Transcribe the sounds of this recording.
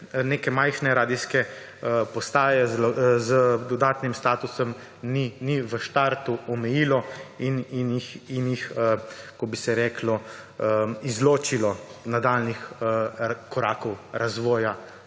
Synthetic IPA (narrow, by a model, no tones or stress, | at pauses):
neːkɛmajxnɛɾaːd̪iskɛ | pɔst̪aːjɛzzd̪ɔd̪aːt̪nimst̪aːt̪usɔm | niniʋəʃt̪aɾt̪uɔmɛjiːlɔininixinjixkɔbisɛɾɛːklɔ | izloːt͡ʃilɔnad̪alnix | kɔɾaːkɔwɾazʋɔːja